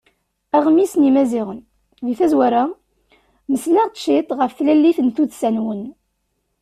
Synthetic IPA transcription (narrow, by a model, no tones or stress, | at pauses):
æʁmisnimæziʁən | ðiθæzwæɾa | məslæʁt̪ʃit̪ˤʁəfθlælːiθənt̪uðsænwən